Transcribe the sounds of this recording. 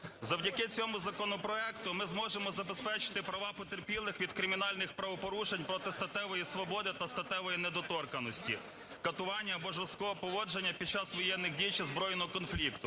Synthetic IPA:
zɐwdʲɐkɪt͡sʲɔmʊzɐkɔnɔpɾɔɛkt̪ʊmɪzmɔʒemɔzɐbespɛt͡ʃɪ̥t̪ɪpɾɐʋɑpɔt̪erpʲilˠːɪxʋʲid̪kɾɪmʲinɑlʲnɪxpɾɐʋɔpɔɾuʃenʲpɾɔt̪ɪst̪ɐt̪ɛʋɔjisʋɔbɔd̪ɪt̪ɐst̪ɐt̪ɛʋɔjined̪ɔt̪ɔrkɐnɔsʲtʲḭ | kɐt̪ʊʋɑnʲːɐːbɔʒɾɔst̪kɔɦɔpɔʋɔd͡ʒenʲːɐpʲid̚t͡ʃɑsʋɔjɛnːɪɣdʲijt͡ʃizbɾɔjnɔɦɔkɔnflʲikt̪ʊ

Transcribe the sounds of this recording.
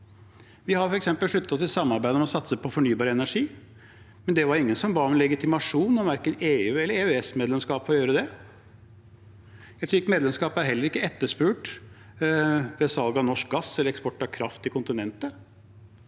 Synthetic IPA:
ʋɪhɑɾfɔɾɛksɛmpəlʂɭʉt̪ːət̪ɔs̬ɪsɑmːɑɾbæɪəmɛɔsɑt̪səpʰɔfɔɳyːbɑːɾəɛnæʂiː | mɛnd̪ɛʋɑɾɪŋːənsɔmbɑːɔmlɛɡɪt̪ɪmɑʂuːnɔmʋæɾkəneːʉːɛlːəɾeːʉɛsmeːd̪lɛmskɑːpfɔɾɔjøːɾəd̪ɛ | ɛt̪syːk̚t̪meːd̪lɛmskɑːpæɾɦɛlːəɾɪkːəɛt̪ːəʂpʉːʈ | ʋɛsɑlɡɑnɔʂk̚ɡɑsːɛlːəɾɛkspɔʈːɑkʰɾɑft̪ɪkʰʊnt̪ɪnɛnt̪ə

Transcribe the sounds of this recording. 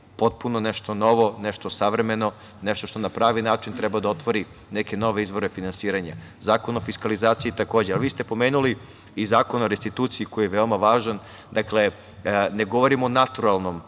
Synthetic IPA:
po̞t̪̚punoneʃt̪ono̞ʋo̞neʃt̪osaʋɾe̞me̞no̞ | neʃt̪oʃt̪o̞napɾaːʋinaːt͡ʃint̪ɾɛbad̪ao̞t̪ʋoɾi | neke̞no̞ʋe̞izʋo̞ɾe̞finansiːɾaɲa̰zaːko̞nofiskalizaːt̪siit̪ako̞ːd͡ʑealʋiːst̪e̞po̞meːnuli | izaːko̞naoɾest̪it̪uːt̪siiko̞jijeʋeomaʋaːʒan | d̪akle̞ | ne̞ɡo̞ʋo̞ɾimoːnat̪uɾalˠno̞m

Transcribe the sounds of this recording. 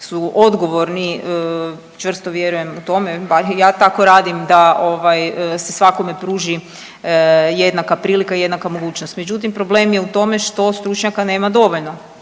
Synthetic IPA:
suʔod̪ɡo̞ʋo̞ɾniə | t͡ʃʋr̩st̪oʋje̞ɾuje̞mut̪o̞me̞baɾjaːt̪ako̞ɾaːd̪imd̪ao̞ʋajse̞sʋako̞mepɾuːʒi | jed̪nakapɾiːlikaije̞d̪nakamo̞ɡuːt͡ɕnost̪med͡ʑut̪impɾo̞ble̞ːmje̞ut̪o̞me̞ʃt̪o̞st̪ɾut͡ʃɲakane̞ːmad̪o̞ʋo̞ʎno̞

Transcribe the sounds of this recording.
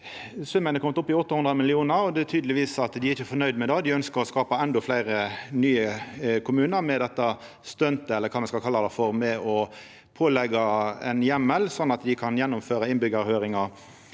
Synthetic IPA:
sʉmːənəkʰɔmət̪ʊpːɪɔt̪ːɑhʉnd̪ʁəmɪlɪuːnəɾɔd̪ɛt̪ʰyːd̪əlɪʋiːsɑt̪d̪ɪɾɪçəfɔnœʏd̪mɛd̪ɛd̪ɪœnskəɾɔskɑːpəɛnd̪ɔflæɪɾənyːəkʰʊmʉːnəɾmɛd̪ɛt̪ːə | st̪œnt̪əɛlːəɾkʰɑːmɛnskɑlkʰɑlːəd̪ɛfɔɾmɛɔ | pʰoːlɛɡɑɛnjɛmːəlsɔnːɑt̪d̪ɪkʰɑnjɛnːʊmføːɾəɪnbʏɡəɾhøːɾɪŋɑ

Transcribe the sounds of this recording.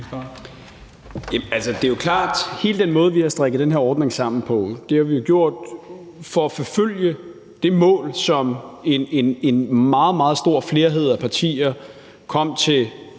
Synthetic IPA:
jæælsəd̥e̝jokʰlɑ̈ːd̥he̝ːləd̥enmɔ̽ːð̞ˠʋihɑ̈sd̥ʁaɡ̥əð̩d̥enɦeɐ̰ɒːd̥ne̝ŋsɑ̈m̰n̩pʰɒ̽d̥e̝hɑʋijo̝ɡ̥jo̝ɐ̰d̥ | fɒ̽æfɒføl̰jə | d̥e̝mɔ̰̽ːlsɒ̽menenenmɑ̈ːð̞̩ˠmɑ̈ːð̞̩ˠsd̥o̝ɐ̰fle̝ːɐɦe̝ð̞̰ˠæpʰɑ̈t͡sʰḭːɐ | kʰɒ̽m̰t͡sʰe̝

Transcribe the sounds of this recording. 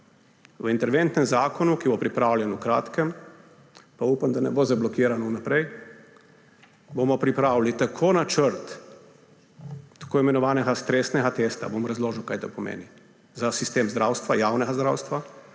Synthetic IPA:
wəint̪ɛɾʋent̪nɛmzaːkɔnukibopɾipɾaːwlʲjɛnukɾa̰ːt̪kɛm | paupamd̪anɛboːzablɔkiɾanɔunapɾɛj | bomɔpɾipɾaːwlit̪akʰoːnat͡ʃəɾt̪ | ḁkoːimɛnɔʋaːnɛɡast̪ɾesnɛɡat̪est̪a̰bomɾazloːʒəwkajt̪o̰pɔmḛːni | zasist̪eːmzd̪ɾaːwst̪ʋajaːwnɛɡazd̪ɾa̰wst̪ʋa

